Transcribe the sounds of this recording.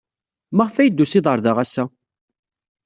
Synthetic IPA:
məʁfæjəd̪ːusiðˤəɾˤðəʁæsːæ

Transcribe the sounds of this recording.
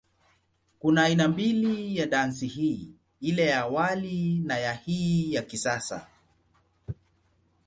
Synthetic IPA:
kunaːinambilijaɗansihiː | ilɛjaːwalinajahiːjakisasa̰

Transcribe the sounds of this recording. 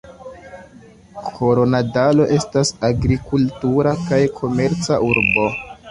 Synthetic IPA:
kʰo̞ɾo̞nadalo̞ʔe̞stasaɡɾikultuɾakajkʰo̞me̞ɾt͡saʔuɾbo̞

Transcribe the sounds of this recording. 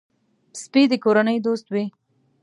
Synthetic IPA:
spid̪əkoɾanəjd̪ost̪wi

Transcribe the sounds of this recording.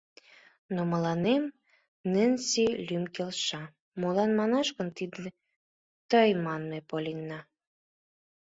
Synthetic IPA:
noməlɑnem | nɘ̆nʲsilʲymkelʃɑ | molɑnmɑnɑʃkə̆nt̪id̪ə̆ | t̪əjmɑnmepolʲinːɑ

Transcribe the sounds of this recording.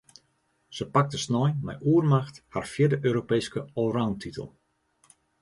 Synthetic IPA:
səpak̚təsnɔjmɛ̰jʔuərmaxtharfjɪdəʔøːɾopejskəoːrawntʰitʰə̰lˠ

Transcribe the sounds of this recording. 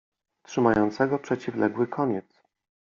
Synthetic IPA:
t̪ʂɘmajɔnt̪sɛɡɔpʂɛt͡ɕivlɛɡwɘkʰɔɲɛt̪s

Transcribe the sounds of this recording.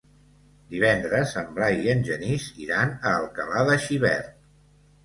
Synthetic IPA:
d̪iβɛnd̪ɾəzəmblajiənʲʒəniziɾanəːlˠkəlaðəʃiβɛ̰ɾt̪̚

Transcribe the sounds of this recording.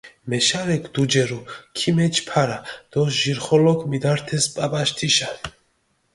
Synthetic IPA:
mɛʃaɾɛkʰd̪ud͡ʒɛɾukʰimɛt͡ʃʰpʰaɾad̪̥ɔʒiɾχɔlɔkʰʼmid̪aɾt̪ʰɛspʼapʼaʃt̪ʰiʃan

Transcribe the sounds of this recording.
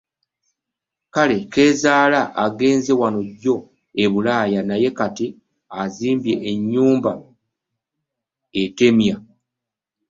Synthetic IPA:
kale̞ke̞ːzaːlaʔaɡe̞ːnze̞wano̞ɟo̞ | e̞βulaːjanaje̞kati | aziːmbje̞ʔːɲːuːmba | ete̞mja

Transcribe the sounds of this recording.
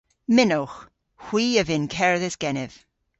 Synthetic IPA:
mɪnowx | hw̥iːəvɪnkʰɛɹðɛsɡ̥ɛnɪv̥

